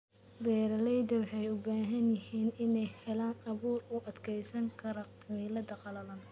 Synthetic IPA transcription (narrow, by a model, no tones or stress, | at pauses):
bɛːɾɐlɛjd̪ɐwɑħɑjʊbaːɦɐnjɐhiːnɪnɛjhɛlaːnɐβuːrʊʔɐd̪kʰɛjsɐŋkʰɐɾɐ | milɐd̪ɐqɑlɐlɐn